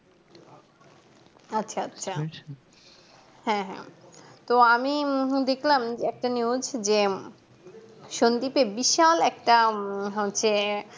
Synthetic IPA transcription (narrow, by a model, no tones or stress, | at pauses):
atːɕʰaatːɕʰa | hɛ̃ɦɛ̰̃t̪oamid̪ekʰlamd͡ʑeɛk̚ʈaniud͡ʑd͡ʑe | ʃond̪ipebiʃalɛk̚ʈaɦotːɕʰe